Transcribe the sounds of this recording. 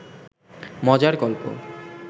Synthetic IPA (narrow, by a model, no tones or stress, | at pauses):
mɔd͡ʑaɾkɔlpo̰